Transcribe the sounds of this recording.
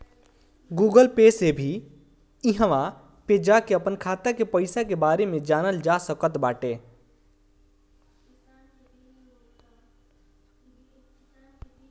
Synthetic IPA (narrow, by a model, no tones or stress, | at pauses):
ɡuːɡəlpeːsebʱi | ɪɦə̃ʋã | ped͡ʒakeəpənkʰaːt̪akepəɪsakebaːɾemẽd͡ʒaːnəld͡ʒasəkət̪baːʈe